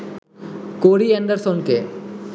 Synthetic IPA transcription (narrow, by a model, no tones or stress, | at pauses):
koːɽienɖəɾsonke